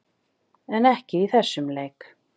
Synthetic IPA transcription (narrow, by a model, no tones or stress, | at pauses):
ɛnɛhcɪiθɛsːʏmleːjk